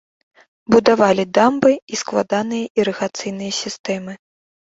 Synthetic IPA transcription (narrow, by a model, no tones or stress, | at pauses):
bud̪avalʲid̪ambɨisklˠad̪anɨjɐʔiɾɨɣat̪sɨjnɨjɐsʲist̪ɛmɨ